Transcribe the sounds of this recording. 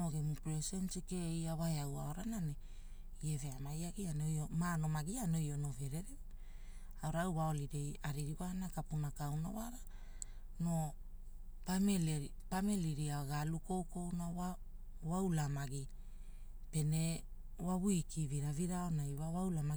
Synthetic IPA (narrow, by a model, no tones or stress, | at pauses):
oɡemupɾesensike̞iawaeawaoɾanane | ieve̞amajaɡianojomano̞maɡiano̞jo̞no̞ve̞ɾeɾe | awɾawwao̞liɾejaɾiɾiwanakapunakawnawaɾa | no̞ | pamelɾi | pameliɾiaɡaluko̞wko̞wnawa | wawlamaɡi | pe̞ne̞ | waβuikʰiviɾaviɾaonajwawawlama